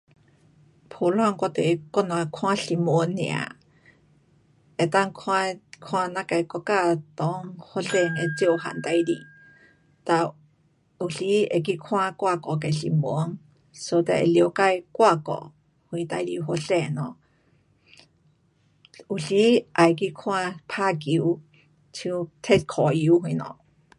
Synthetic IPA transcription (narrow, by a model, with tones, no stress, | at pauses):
pʰo˧lõ˦a˧ŋko˧t̪e˨˧ko˦n˧a˧kʰw̃ã˦ɬi˧m˧˨o˦nḭ̃˧˨a̰˧ | e˨t̪a˦˧ŋkʰa˧kʰã˧na˧ka˧jko˧ka˦˧t̪o˧ŋho˧ɬe˧ŋe˧t͡se˦o˧ɦa̰˨nt̪a˧jɾi˧ | t̪a˧ | u˧ɬi˦e˧k̬i˧kʰw̃ã˧kʷa˧ko˨ke˨ɬḭ˧˨mbo˨o˦ŋ | so˧t̪e˧ḛ˧˨li˧o˧ka˧jkʷa˦˧ko̰˨ | hwĩ˧t̪a˧i˧ɾi˧ɦo˧ɬe˧˨nõ˧ | u˧ɬi˦ʔa˧jk̬i˦˧kʰw̃ã˧pʰa˦˧ki˧u˧˦ | t͡ʃʰt̪ʰe˦t̪kʰo˨ju˧hwĩ˧nõ̰˧˨